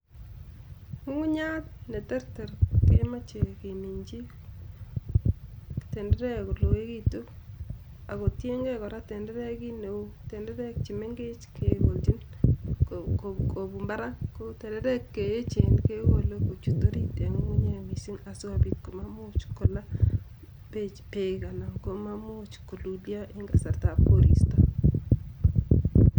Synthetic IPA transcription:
ŋu˦ŋu˦ɲa˦tne˨tɛ˦ɾtɛ˨ɾke˦ma˦t͡ʃe˨ke˨mi˨ɲd͡ʒi˦ | te˨nde˦ɾɛ˦˨ko˨lo˨we˦ki˦tu˦ | a˨ko˨tje˦ŋɡe˦kɔ˨ɾa˦tɛ˨ndɛ˦ɾɛ˦ki˦ne˨wu˦te˨ndɛ˦ɾɛ˦k̚t͡ʃi˨me˦ŋɡɪ˦t͡ʃke˨ko˨ld͡ʒi˦n | koko˨bu˨mba˦ɾa˦ko˦tɛ˨ndɛ˦ɾɛ˦kːe˨je˦t͡ʃe˨nke˦wo˦˨lo˦ko˨t͡ʃu˨to˦ɾi˦te˨ŋ˦u˦ɲe˨mi˨si˦ŋa˨so˦a˨bi˨t̚ko˨ma˦mʊ˦t͡ʃko˨la˦ | pe˦˨t͡ʃpe˦ka˨na˨ŋko˦ma˦mʊ˦t͡ʃko˨lu˨lja˦ʔɪ˦ŋɡa˨sa˨ɾta˨po˦ɾḭ˨sta˨

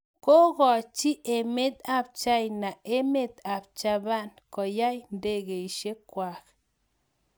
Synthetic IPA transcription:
ko˦ɡɔ˨t͡ʃi˦ʔe˨me˦t̪a˦b̚t͡ʃa˦jna˨e˦me˦˨t̪a˨b̚t͡ʃa˦˧ba˦nko˨ja˦jnde˦˨ɡe˨i˨ʃe˦kwa˨k

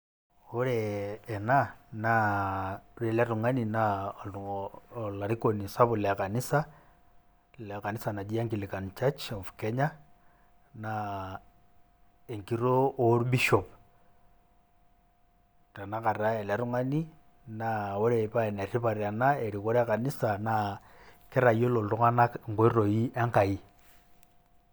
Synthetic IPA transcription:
o˦ɾɛː˨nana | uɾe˨la˦ru˨ŋa˦ni˨na | la˨ɾiko˨ni˨sa˦βu˨lɛka˨ni˦sa˦ | lɛka˨ni˦sa˨na˨d͡ʒi˦a˦ŋki˨li˨ka˨nt͡ʃat͡ʃɔ˨fkɛɲa | na | e˨ŋkiɾoː˦ɾbi˦ʃɔp | ta˨na˦ka˨ɾa˦e˨la˦ɾu˦ŋa˦ni˦ | na˨wɛ˦ɾe˨pa˦e˨na˨ɾi˦pa˨ɾi˨a˨nae˨ɾi˨ko˦ɾɛ˦a˦ka˨ni˦sa˨na | kɛ˦ɾa˨i˦o˦lo˨ltu˦ŋa˦na˦ŋɡo˦i˦ɾo˨i˦ʔa˦ŋka˨i˦

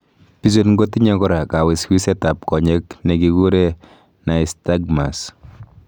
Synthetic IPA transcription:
pi˦s̬o˦tŋɡo˦ti˦ɲɛ˦kɔ˦ɾa˨ka˨wɪ˨skwi˦sɛ˦ta˨p̚kɔ˨ɲɛ˦knɛ˨ki˨ɡu˦ɾe˦ | na˨i˨sta˦ɡma˨s

